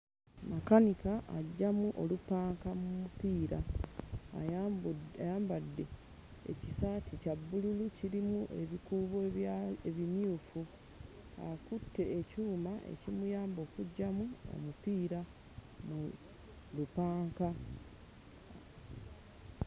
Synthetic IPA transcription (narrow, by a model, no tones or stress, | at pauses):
makanikaʔaɟːamuʔo̞lupaːŋkamumupiːɾa̰ː | jaːmbadːe̞ | ḛcisaːticabːululuciɾimuʔe̞βikuːβoeβimjuːfu | a̰kutːe̞ːcuːmaʔe̞̰cimujaːmbo̞ːkuɟːamuo̰mupiːɾa | mu | lupaːŋka